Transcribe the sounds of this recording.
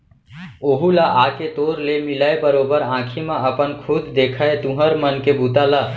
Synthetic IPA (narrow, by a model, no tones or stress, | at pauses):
oːɦulaʔaket̪oːɾlemɪlaebəɾoːbəɾãːkʰimãəpənkʰʊd̪d̪eːkʰaet̪ũɦəɾmənkebut̪ala